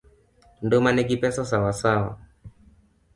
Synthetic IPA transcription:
ndɔmanɛkipɛsasawasawa̰

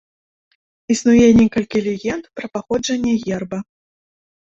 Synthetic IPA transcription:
isnujɛnʲɛkɐlʲkʲilʲɛɣʲɛnt̪pɾɐpaxɔd͡ʐɐnʲːɛɣʲɛrbɐ

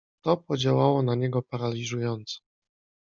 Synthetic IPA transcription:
t̪ɔpɔd͡ʑawawɔnaɲɛɡɔpaɾalʲiʐujɔnt̪sɔ̥

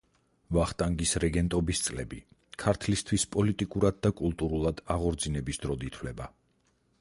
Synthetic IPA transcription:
vaχt̪ʼaŋɡisɾɛɡɛnt̪ʼɔbist̪sʼlɛbi | kʰaɾt̪ʰlist̪ʰwispʼɔlit̪ʼikʼuɾad̪̚ːakʼulˠt̪ʼuɾulˠad̪aʁɔɾd̪zinɛbisd̪̥ɾɔd̪it̪ʰwlɛba

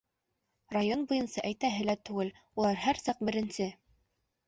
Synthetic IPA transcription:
rajonbujɤ̆nsɑʔæjt̪æɦɘ̆læt̪ʉɡɘl | ulˠɑɾɦæɾsɑq̚bɘ̆ɾɘ̆nsɘ

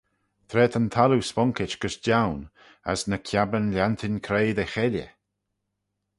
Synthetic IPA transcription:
t̪ʰɾɛːt̪ənt̪ʰaluspɔŋkɪt͡ʃɡ̥əsd͡ʒawn | ə̰snəkʰjabənlʲant̪ʰɪnkʰɾeːd̪exɛlʲə̰

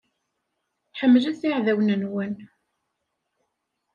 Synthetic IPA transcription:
ħəmːlæθiʕðæwnənwən

